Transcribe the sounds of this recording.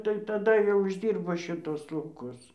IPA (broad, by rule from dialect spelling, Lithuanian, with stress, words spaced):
tɐɪ tɐˈdɐ jɛʊ ɪʒʲˈdʲiːrboː ʃʲɪˈtʊs lˠɐʊˈkʊs